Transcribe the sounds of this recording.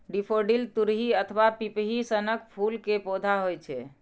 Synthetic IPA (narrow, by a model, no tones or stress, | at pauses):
ɖipʰoɖilt̪uɾɦiət̪ʰʋapipɦisənək̚pʰulkepod̪ʱaɦojt͡ʃʰɛ